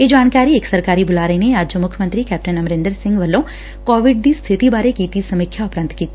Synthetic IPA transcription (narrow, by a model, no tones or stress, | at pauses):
jed͡ʒaːnkaːɾieːksɐɾkaːɾibʊlaːɾeneaːd͡ʒd͡ʒomʊkʰjəmə̃nt̪ɾikɛːp̚ʈənɐmɾẽnd̪əɾsɪ̃ŋɡʋɐlːõ | kɔːʋɪɖ̚d̪ist̪ʰɪt̪ibaːɾekiːt̪isɐmikʰjaʊpɾə̃nt̪kiːt̪ː